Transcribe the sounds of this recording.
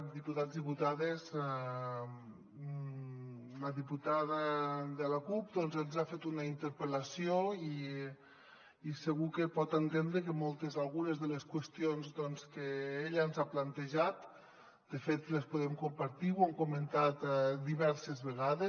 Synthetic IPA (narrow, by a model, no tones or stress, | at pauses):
d̪iput̪ad͡zzðiput̪aðezɛ | ləðiput̪aðəðəlakup̚d̪ɔnzənzafet̪unəint̪əɾpəlɐsioi | səɣukəpɔt̪ent̪end̪ɾekəmɔlˠt̪ezalˠɣunəzðələskwəst̪ionzd̪ɔnskəeʎənzaplant̪eʒat̪ | d̪̥əfet̪lespuðɛmkumpaɾt̪iwaŋkoment̪at̪d̪iβɛɾsezβəɣaðe